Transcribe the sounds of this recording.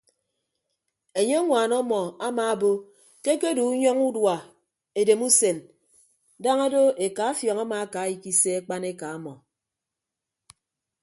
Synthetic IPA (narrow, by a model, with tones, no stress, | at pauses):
e˨ɲe˦ŋʷaː˨nɔ˦mɔ˨a˦maː˨bo˦ | ke˦ke˦du˨˦ɲɔ˦ŋu˦dwa˨ | e˨de˨mu˦se˨n | da˦ŋa˦do˦e˨ka˨˦a˦fjɔ˨ŋa˦ma˨a˦ka˨˦i˨ki˦se˦e˦k͡pa˦ne˦ka˨a˦mɔ˨